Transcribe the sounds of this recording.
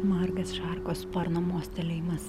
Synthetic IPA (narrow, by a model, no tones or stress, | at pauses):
mɐrɡɐsʃɑrkoːspɐɾnoːmuɔsʲt̪ʲɛlʲɛɪmɐs